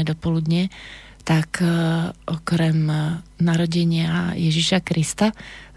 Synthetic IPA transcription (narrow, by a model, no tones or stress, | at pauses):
ɛd̪ɔpɔlud̪ɲɛ | t̪ak | ʔɔkɾɛmnaɾɔɟɛɲɪajɛʒiʃakɾist̪a